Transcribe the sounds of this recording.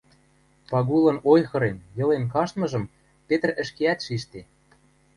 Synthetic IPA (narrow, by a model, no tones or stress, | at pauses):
pɑɣulɤ̆nojxɤ̆ɾenjɤ̆lenkɑʃt̪mɤ̆ʒɤ̆m | pet̪ə̆rə̆ʃkeæt̪ʃiʃt̪e